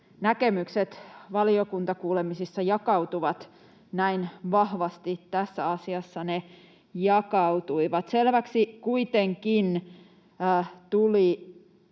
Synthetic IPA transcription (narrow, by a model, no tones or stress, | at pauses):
nækemykset̪ʋɑliokunt̪ɑkuːlemisisːɑjɑkɑut̪uʋɑt̪ | næinʋɑhʋɑst̪it̪tæsːæɑsiɑsːɑne | jɑkɑwt̪uiʋɑt̪selʋæksikuit̪eŋkinː | t̪uli